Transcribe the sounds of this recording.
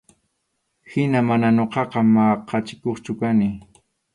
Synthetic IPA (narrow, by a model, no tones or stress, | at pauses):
hɪnamananoqɑqɑmɑqɑt͡ʃɪ̥koχt͡ʃʊkanɪ